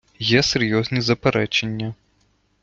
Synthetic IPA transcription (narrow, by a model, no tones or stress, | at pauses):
jɛseɾʲjɔzʲnʲizɐpeɾɛt͡ʃenʲːɐ